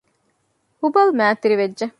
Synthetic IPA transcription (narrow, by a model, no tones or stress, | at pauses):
hubɐlmæːt̪iɾiʋedd͡ʒɐ